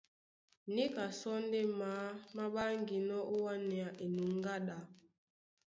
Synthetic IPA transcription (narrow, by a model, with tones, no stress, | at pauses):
ni˦ka˨sɔ˦n˦de˦maː˨˦ma˦ɓa˦ŋɡi˨nɔ˦ʔo˦wa˦nɛ˨a˨ʔi˨nu˨ŋ˦ɡa˦ɗa˨